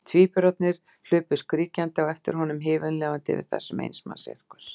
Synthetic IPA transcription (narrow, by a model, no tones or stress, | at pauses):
t̪ʰviːpʏɾɔt̪nɪɾ̥ | l̥ʏːpʏskɾiːcant̪ɪawɛft̪ɪɾ̥ɦɔnʏmɦɪːvʏnlɛːɣant̪ɪ̰vɪ̰ɾ̥θɛ̰sːʏmḛjnsma̰sɛ̰ɾ̥kʏ̥s